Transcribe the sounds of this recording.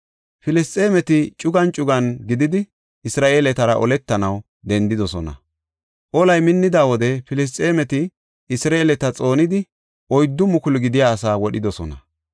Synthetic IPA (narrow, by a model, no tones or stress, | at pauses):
fɪlɪst̪ʼeːmɛt̪ɪt͡ʃʼʊɡɐnt͡ʃʼʊɡɐnɡɪd̪ɪd̪ɪ | ɪsɾaːʔe̞ːlɛt̪ɐɾɐʔɔlɛt̪ːɐnɐw | d̪ɛnd̪ɪd̪ɔsɔnɐ̰ | ʔɔlɐjmɪnːɪd̪aːwɔd̪ɛfɪlɪs̬t̪ʼe̞ːmɛt̪ɪː | sɾaelɛt̪ɐt͡sʼo̞ːnɪd̪ɪ | ʔɔjd̪ːʊmʊkʊlɡɪd̪ɪjaːsaːwɔɗɪd̪ɔsɔ̰nɐ̰